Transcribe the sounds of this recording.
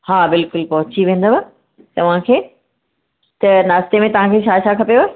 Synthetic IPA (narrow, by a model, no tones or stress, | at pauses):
haːbɪlkʊlpɐɦʊt͡ɕiʋẽːn̆d̪oba | t̪ɐʋ̤ãkʰeː | t̪ɐnaːst̪emẽt̪ɐʋ̤ãkʰeːt͡ɕʰaːt͡ɕʰaːkʰɐpijoa